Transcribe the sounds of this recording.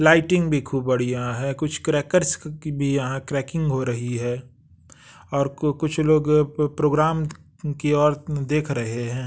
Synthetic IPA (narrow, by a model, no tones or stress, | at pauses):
laːɪʈɪ̃ŋɡbʱikʰuːb̚bɐɽ̤ijaɦɛkʊt͡ʃʰkɾɛːkəɾsbʱijɐɦãkɾɛːkɪ̃ŋɡɦoɾɐɦiɦɛː | ɔːɾkʊt͡ʃʰloːɡpɾoːɡɾaːm | kiɔːɾd̪eːkʰɾɐɦeɦɛ̃ː